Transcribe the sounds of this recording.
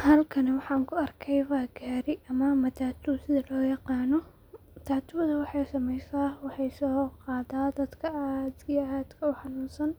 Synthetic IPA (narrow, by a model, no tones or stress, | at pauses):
hɐlkʰɐnɐwɑħɑːŋkʰʊɐrkʰɛjβaːɡaːɾɪʔɐmɐmɐt̪ʰaːt̪ʰusɪðɐlɔːjɑqɑːnɔ | t̪ʰaːt̪ʰʊwðɐwɑħɑjsɐmɛjsaːwɑħɑjsɔːqɑːd̪aːd̪ɐd̪kʰɐad̪iaːd̪kʰɐʊħɑnuːnsɐn